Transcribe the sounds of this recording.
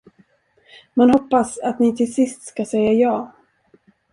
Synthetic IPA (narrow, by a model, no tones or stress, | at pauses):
manhɔpːasat̪nɪt̪ʰɪlsɪst̪skasɛjːajɑː